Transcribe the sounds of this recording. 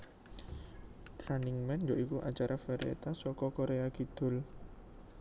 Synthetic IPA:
t̪ɾaniŋmɛnjɔʔikuʔat͡ʃaɾafeɾeḛt̪asɔkɔkoɾeaɡ̥i̤d̪̥ʊ̤l

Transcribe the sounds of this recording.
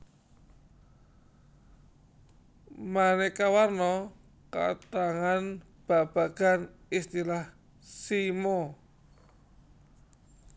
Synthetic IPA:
manɛkawarnɔ | ka̰t̪aŋan | b̥a̤b̥a̤ɡ̥a̤n | ist̪ilah | simɔ

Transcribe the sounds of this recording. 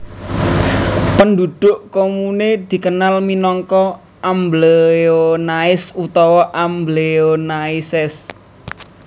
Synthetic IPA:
pənd̪ud̪̥ʊ̤ʔkomuned̪̥i̤kənalminɔŋkɔ | ʔambleonaɪsut̪ɔwɔʔambleonaɪsɛs

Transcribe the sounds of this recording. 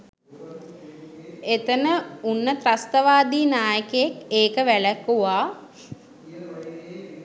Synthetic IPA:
et̪ənəunːət̪rast̪əʋaːd̪iːnaːjəkəjekeːkəʋælækːuʋaː

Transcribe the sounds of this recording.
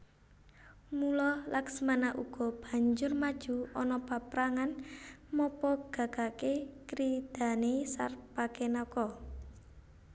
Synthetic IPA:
mulɔlaksmanaʔuɡ̥ɔ̤b̥a̤ɲd͡ʒʊrmad̥ʒ̥ṳɔnɔpapɾaŋanmɔpɔɡ̥a̤ɡ̥akekɾid̪̥a̤nesa̰rpakenɔkɔ

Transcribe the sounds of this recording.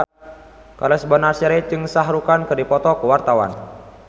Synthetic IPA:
kalɛsbɔnasɛɾɛt͡ʃɨŋsaɦɾukankɨrdipɔt̪ɔkəwart̪awa̰n

